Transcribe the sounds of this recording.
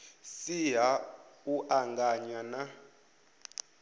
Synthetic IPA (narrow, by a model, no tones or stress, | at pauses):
siɦauʔaŋɡaɲana